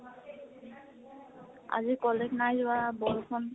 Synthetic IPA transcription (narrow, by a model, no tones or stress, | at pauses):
a̰d͡ʑikɔleknajd͡ʑbabɔɾokʰɔn